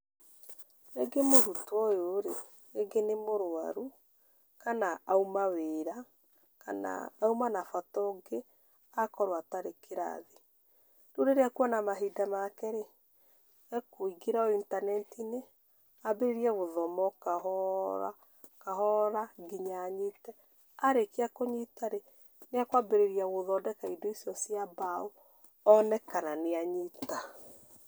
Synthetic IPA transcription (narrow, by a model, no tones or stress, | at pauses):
eɡemoɾutwɔjoɾeː | ɡenemoɾoa̰ɾu | kanaaumaweɾa | kana̰ːumanafatɔɡe | akɔɾwataɾekeɾa̰ðe | doɾeɾeakwɔnamaɦidamakɛɾe | ɛkoiɡiɾaɔintanɛntine | abeɾeɾiaɣoðɔmɔkaɦɔɾa̰ | kaɦɔɾaɡiɲaɲitɛ | aɾekeakoɲitaɾe | neakwabeɾeɾiaɣoðɔdɛkaidoisijɔsjabao | ɔnɛkananeaɲita